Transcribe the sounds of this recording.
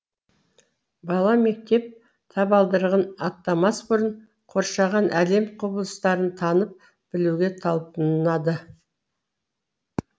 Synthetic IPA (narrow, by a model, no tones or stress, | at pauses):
bɑlˠɑme̞k̚t̪e̞p̚ | t̪ʰɑpɑlˠd̪əɾʁɑnɑt̪ːɑmɑsbʊɾəɴ | qʰo̞ɾʃɑʁɑnʔæle̞mqʰobəlˠəst̪ɑɾənt̪ʰɑnəp̚ | b̥ɪluɡʲe̞t̪ʰɑlˠpənnɑd̪ə